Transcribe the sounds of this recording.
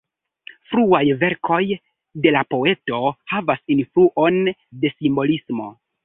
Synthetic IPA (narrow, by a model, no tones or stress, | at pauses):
fɾuajve̞ɾkʰo̞j | de̞lapo̞e̞to̞havasinfluʔo̞nde̞simbo̞lismo̞